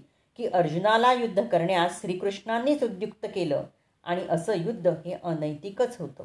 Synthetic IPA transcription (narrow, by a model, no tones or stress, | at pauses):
kiːʔəɾd͡ʑunalajud̪ʱːəkəɾɳjasɕɾiːkɾuʂɳanːiːt͡sud̪jukt̪əkelə̰ː | a̰ɽ̃iʔəsəːjud̪ʱːəɦeʔənəjt̪ikət͡sɦot̪ə̰ː